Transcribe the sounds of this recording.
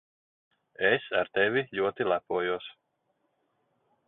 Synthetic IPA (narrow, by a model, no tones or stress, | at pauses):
esaɾt̪ɛvʲiʎʲuɔt̪ilˠæpuɔjuɔs